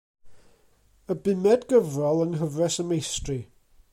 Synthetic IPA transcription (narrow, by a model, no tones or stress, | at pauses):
əbɪmɛdɡəvrɔlˠəŋɦəvrɛsəmejstri